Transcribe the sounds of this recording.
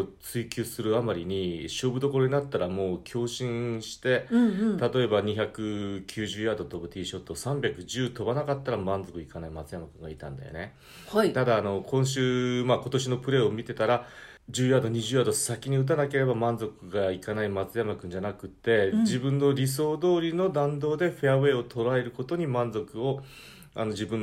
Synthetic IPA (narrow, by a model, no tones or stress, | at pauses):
t͡sɨikʲɨːsɨɾɯ̟amaɾʲiɲ̟iɕo̞ːbɯ̟d̪o̞ko̞ɾo̞ɲ̟inat̪ːaɾamo̞ːkʲʰo̞ːɕĩɰɕi̥t̪e̞t̪at̪o̞e̞baɲ̟içakɯ̟kʲʰɨːʑɨːjad̪o̞t̪o̞bɯ̟t̪ʲiːɕo̞t̪ːosãmbʲakɯ̟ʑɨːt̪o̞banakat̪ːaɾamãnd͡zo̞kɯ̟ikanaimat͡sɨjamakɯ̟̃ŋɡait̪ã̰nd̪a̰jo̰ne̞ | ht̪ad̪aːno̞kʰõ̞ɰ̃ɕ̬ɨːmako̞t̪o̞ɕino̞pɯ̟ɾe̞omʲit̪e̞t̪aɾa | d͡ʑɨːjad̪o̞ɲ̟iʑɨːjad̪o̞sakʲiɲ̟iɯ̟t̪̬anake̞ɾe̞bamãnd͡zo̞kɯ̟ɡaikanaimat͡sɨjamakɯ̟̃ɲ̟d͡ʑanakɯ̟t̪ːe̞d͡ʑibɯ̟̃nːo̞ɾʲis̬o̞ːd̪o̞ːɾʲino̞d̪ãnd̪o̞ːd̪e̞ɸeaβe̞ːo̞t̪ʰo̞ɾae̞ɾɯ̟ko̞t̪o̞ɲ̟imãnd͡zo̞kɯ̟o̞ | a̰no̞d͡ʑibɯ̟̃n